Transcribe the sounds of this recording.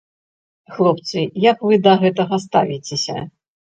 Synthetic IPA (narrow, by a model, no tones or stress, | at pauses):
xlˠɔpt̪sɨjɐkvɨd̪ɐɣɛt̪ɐɣɐs̬t̪avʲit͡sʲesʲɐ̰